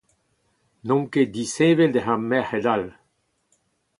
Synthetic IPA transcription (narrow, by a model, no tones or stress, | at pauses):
nɔ̃ŋked̪iseːveld̪eɦãmːɛhed̪al